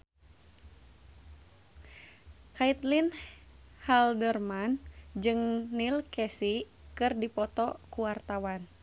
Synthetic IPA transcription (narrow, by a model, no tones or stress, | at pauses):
kait̪lin | haldərmand͡ʒɨŋnilkɛsi | kɨrdipɔt̪ɔkuwart̪awan